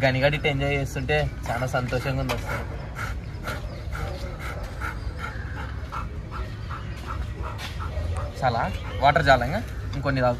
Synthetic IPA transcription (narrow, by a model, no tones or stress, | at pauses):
ɡɐniɡaːɽiʈeɲd͡ʒaːjeːst̪uɳʈe̞ːt͡ʃaːlaːsɐnt̪ɔːʃɐŋɡɐund̪ɐst̪u | t͡ʃaːlaːʋaːʈɐɾd͡ʒaːlɐŋɡaŋkonːid̪aː